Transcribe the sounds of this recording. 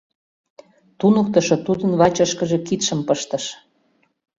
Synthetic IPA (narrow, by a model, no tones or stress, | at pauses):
t̪unə̆k̚t̪əʃot̪ud̪ənβɑt͡ɕəʃkəʒĕkit̪ʃə̆mpəʃt̪ɤ̆ʃ